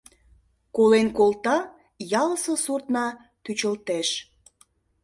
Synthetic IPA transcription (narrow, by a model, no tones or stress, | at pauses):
kolenkolt̪ɑ | jɑləsəsurt̪nɑ | t̪yt͡ɕəlt̪eʃ